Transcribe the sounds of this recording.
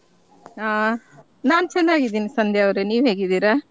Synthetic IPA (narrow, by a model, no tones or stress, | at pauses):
aː | naːnut͡ʃɐnd̪aːɡid̪iːnisɐnd̪ʱjaːʋɾeniːʋɦe̞ːɡid̪iːɾa